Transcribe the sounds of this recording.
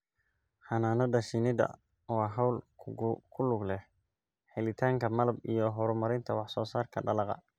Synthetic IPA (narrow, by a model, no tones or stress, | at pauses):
ħɑnaːnɐdɐʃɪnɪd̪ɐ̰ | wɑːɦɑwlʰ | kʰʊlʊɡlɛh | ħɛlɪt̪ʰaːŋkʰɐmɐlɐbijɞɦɔɾʊmɐɾɪnt̪ʰɐwɑħsɔːsaːrkʰɐɖɐlɑqɑ̰